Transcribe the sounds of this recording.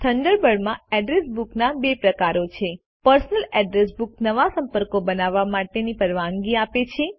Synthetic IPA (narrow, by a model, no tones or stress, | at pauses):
t̪ʰəɳɖ̪əɾbəɽmãɛɖɾesbuknabepɾəkaɾot͡ʃʰe | pəɾsnəlɛɖɾes̬buk̚nəʋasəmpəɾkobənaʋːamaʈenipəɾʋaŋɡiapet͡ʃʰe